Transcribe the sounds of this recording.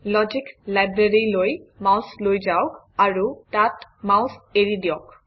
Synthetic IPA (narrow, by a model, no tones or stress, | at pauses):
lɔd͡ʒiklajbɹeɹilojmawslojd͡ʒaok | aɹutatmaʊseɹidiɔk